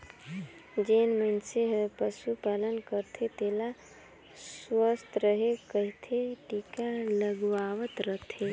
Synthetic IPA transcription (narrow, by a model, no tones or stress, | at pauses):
d͡ʒenmənseɦəpəsupalənkəɾt̪ʰet̪ela | swəst̪ʰɾəɦekəɦit̪ʰeʈikaləɡʋaʋət̪ɾəɦt̪ʰe